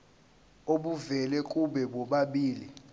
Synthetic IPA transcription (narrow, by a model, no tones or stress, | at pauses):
oɓuvɛlɛkʼuɓɛɓɔɓaɓiːli